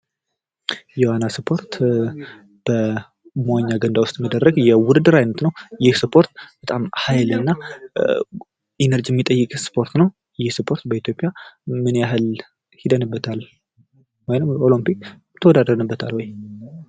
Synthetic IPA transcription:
jɛwanasɨpʰo̞ɾt̪ | b̥ə | mwaɲːaɡənd̪awʊst̪ʼməd̪ərːəɡjɛwʊɾɨd̪ɨɾajnət̪nəwjɪhsɨpʰo̞ɾt̪b̥ət̪ʼamhajlɨnːa | enəɾd͡ʒijɛmːit̪ʼəjːɨkʼsɨ̥pʰo̞ɾt̪nəw | jɪhsɨpʰo̞ɾt̪bəit̪ʰjo̞pʼːjamɨnjaɦɨl | hid̪ənɨbːət̪ʰal | wɔjnəmolimpik | t̪ʰːəwɔd̪ad̪əɾənəbːət̪ʰa̰lhɔj

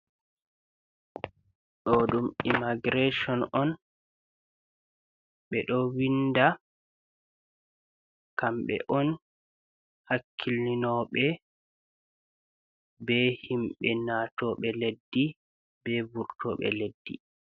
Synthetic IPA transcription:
ɗɔɗumimaɡɾeʃɔnʔɔn | ɓɛɗɔwinda | kamɓɛ̰ʔɔn | hakʰːilninɔɓɛ | bɛhimɓɛnatɔɓɛledːi | bɛbuɾtɔɓɛ̰ledːḭ

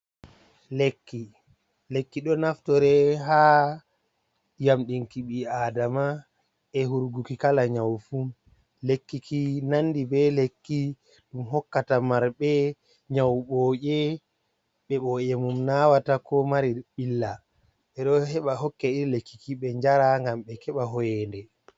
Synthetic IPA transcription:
lekːi | lekːiɗɔnaftɔɾɛɦaː | jamɗinkiɓiaːdama | ɛɦuɾɡukikalaɲawfum | lekːikinanːdibɛlekːi | ɗumɦɔkːatamaɾɓɛ | ɲawɓɔːʄɛ | ɓɛɓɔːʔɛmumnawatakɔmaɾiɓilːa | ɓɛɗɔɦɛɓaɦɔkːɛiɾlekːikiɓɛɲd͡ʒaɾaŋɡamɓɛkɛɓaɦɔjɛndɛ

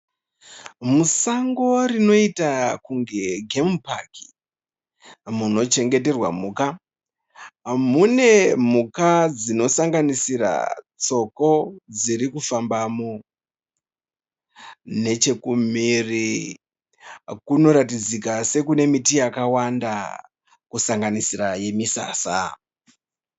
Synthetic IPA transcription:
musaŋɡo̞rino̞itakuŋɡe̞ɡʱempaki̥ | muno̞t͡ʃe̞ŋɡe̞te̞rwa̰muːka | mune̞m̤ukad͡zino̞saŋɡanisira̰t͡so̞ko̞d͡ziɾikufambamo | ne̞t͡ʃe̞kumiri | kuno̞ɾatid͡zikase̞kune̞mitijakawanda | kusaŋɡanisiraje̞misa̰ːsa̰

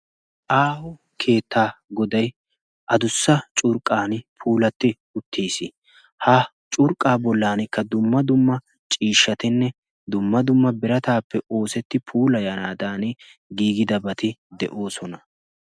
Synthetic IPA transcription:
ʔaːhʊ | kʰe̞ːt̪ʰːaːɡɔd̪ɐj | ʔɐd̪ʊsːɐt͡ʃʼʊɾkʼːaːnpʰuːlɐt̪ːɪ | ʊt̪ʰːiːsɪ | hɐ | t͡ʃʼʊɾkʼaːbɔlːaːnɪkːɐd̪ʊmːɐd̪ʊmːɐ | t͡ʃʼiːʃːɐt̪ɪnːɛ | d̪ʊmːɐd̪ʊmːɐbɪɾɐt̪aːpːɛʔo̞ːsɛt̪ːɪpʰuːlɐjɐnaːd̪aːn | ɡiːɡɪd̪ɐbɐt̪ɪd̪ɛ̰ʔo̞ːsɔnɐ

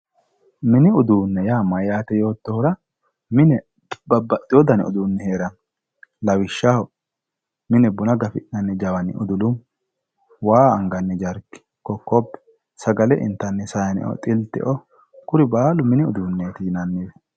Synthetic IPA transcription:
mɪnɪʊd̪uːnːɛjaːmɐjaːt̪ɛjo̞ːt̪ːɔhʊɾɐ | mɪnɛ | bɐbːɐt̪ʼːɪjɔd̪ɐnɛ̰ɔd̪uːnːɛhe̞ːɾɐn | lɐwɪʃːahɔ | mɪnɛbʊnɐɡɐfɪʔnɐnːɪd͡ʒɐwɐnɪ̰ʔɔ̰d̪ʊlʊm | waːɐŋɡɐnːɪd͡ʒɐɾkːɪ̥ | kɔkːɔbːɛ̥ | sɐɡɐlɛʔɪ̰nt̪ːɐnːɪsɐjɐnɪ̰ʔɔ̰t̪ʼɪlt̪ɪ̰ʔɔ | kʊɾɪbaːlʊmɪnɪʊd̪uːnːeːt̪ɪnɐnːɪwɛ

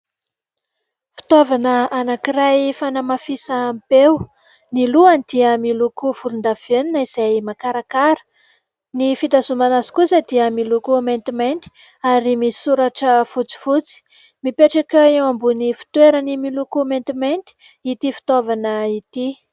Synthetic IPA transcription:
fi̥t̪ovanəanakiɾajfanamafisampew | niluand̪̥iəmilukufuɾund̪av̥eninəiz̥ajmakaɾakaɾə̥ | nifid̪azumanazi̥kusad̪iəmilukument̪iment̪i̥ | aɾimisuɾaʈ͡ʂəfut͡si̥fut͡si̥ | mipeʈ͡ʂakaewambunifi̥t̪weɾənimilukument̪iment̪i̥ | it̪ifi̥t̪ovanəit̪i

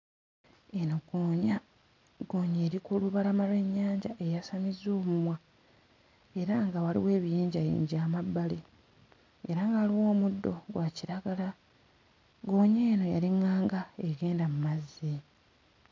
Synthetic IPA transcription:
enoɡoɲa | ɡo̞ːɲeːɾikuluβalamalwe̞ɲːaːɲɟa̰ʔejasamizo̞ːmumwa | e̞ɾaŋɡawalḭwe̞ːβijiːɲɟajḭːɲɟaːmabːale | eɾaŋɡaːliwo̞ːmudːo̞̰ɡwaciɾaɡala | ɡo̞ːɲeːno̞ja̰liŋaːŋɡaeɡe̞ːndamumazːi

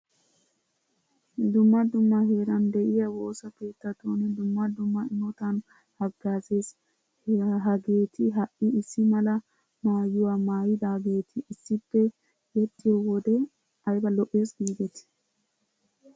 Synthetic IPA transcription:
d̪ʊmːɐd̪ʊmːɐɦeːɾɐnd̪ɛʔɪjɐwo̞ːsɐpe̞ːt̪ːɐt̪oːnɛd̪ʊmːɐd̪ʊmːɐɪmɔt̪ɐn | hɐɡːaːzeːs | ɦɐɡe̞ːt̪ɪɦɐʔɪɪsːɪmɐlɐ | maːjːʊwamaːjɪd̪aːbe̞ːt̪ʰɪːsːɪpːɛ | jɛt̪ʼːɪjɔwɔd̪ɛ | ɐjbɐlɔʔːe̞ːsɡiːɡ̪ɛt̪

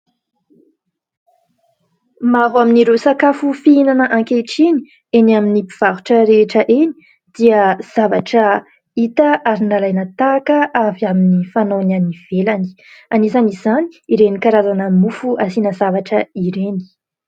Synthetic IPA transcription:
maɦwaminiɾeosakafufiinanəʔãŋkeʈ͡ʂini | enaminipiv̥aɦuʈ͡ʂəɾeʈ͡ʂəʔeni̥ | d̪̥iəz̥ava̰ʈ͡ʂə | it̪aʔaɾinalajnət̪akəʔaviaminifanonaniv̥elani̥ | anizanizani̥iɾenikaɾazanəmufuʔasinəzavaʈ͡ʂəiɾeni̥

